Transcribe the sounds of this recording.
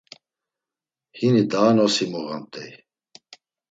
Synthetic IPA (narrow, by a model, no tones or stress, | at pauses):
hinid̪aːnɔsimɔɣamt̪ʼɛj